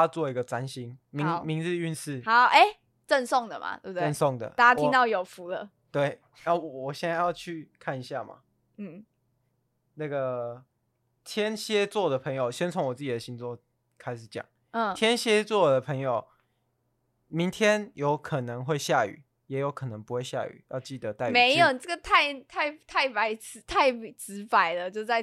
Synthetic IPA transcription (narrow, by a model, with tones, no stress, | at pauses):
t͡swɔ˥˩i˧˥ɡə˧t͡sa˦nɕi˧˥nmi˧˦˥ŋmi˧˥ŋɻ̩˥˧y˥˧ns̩˥˩a˨˧˦ʔe˥˩ɪ | t͡sə˥˧nsɔ˥˨ŋd̪ə˨ma̰˨˩t̪ɛ˥b̪ə˥˧nsɔ˥˩ŋd̪ə̰˩a˥˩˥ja˥i˦ŋt̪ɑ˥˩ʊjo˨˩ʊfu˧˦lə̰˧t̪we˥˩ɪ | a˥˩wɔ˨˩wɔ˨˩ɕjɛ˥˧na˥˧ɪjɑ˥˧ʊt͡ɕʰy˥˧kʰa˥˩ni˨ɕja˥˨ma̰˨˩ | n̩˥˩ | na˥˩ɡə˩ | t̪ʰjɛ˥˦nɕjɛ˦˥t͡swɔ˥˩d̪ə˩pʰɤ˧˥˦ŋjo˨˩ʊɕjɛ˥nt͡sʰo˧˦ŋwɔ˨˩t͡sɹ̩˥˩t͡ɕi˨˩d̪ə˨˦ɕi˧˦ŋt͡swɔ˥˧ | kʰa˥ɪʂɻ̩˨˩t͡ɕjɑ̰˨˩˦ŋ̩˥˩ | t̪ʰjɛ˥nɕjɛ˦t͡swɔ˥˩d̪ə˩pʰə˧˦ŋjo˨˩ʊ | mi˨˦ŋt̪ʰjɛ˥njo˧˦ʊkʰə˨˩nə˧˦ŋxwe˥˧ɪɕja˥˩y̰˨˩˦ | jɛ˨˥jo˧˥ʊkʰɤ˨˩nə˧˦ŋpu˧˦xwe˥˧ɪɕja̰˥˩y̰˨˩˦jɑ˥˧ʊt͡ɕi˥˩d̪ə˦t̪a˥˩ɪme˨˧˥ɪjo˨˩t͡sə˥˩ɡə˩t̪ʰa˥˩ɪt̪ʰa˥˩ɪt̪ʰa˥˩ɪpa˧˥ɪt͡s̩˧˥t̪ʰa˥˩ɪt͡sɹ̩˧˥˦pa˨˩ɪlə˨t͡ɕjo˥˧˥t͡sa˥˩ɪ